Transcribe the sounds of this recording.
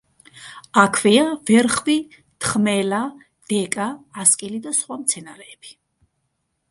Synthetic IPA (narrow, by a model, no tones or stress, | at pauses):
akʰvɛavɛɾχvi | t̪ʰχmɛla | d̪̥ɛkʼaːskʼilid̪asχwamt̪sʰɛnaɾɛːb̥i̥